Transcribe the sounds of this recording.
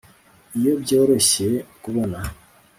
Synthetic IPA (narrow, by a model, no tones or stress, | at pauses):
ijobjo̞ːɾo̞ɕekuβona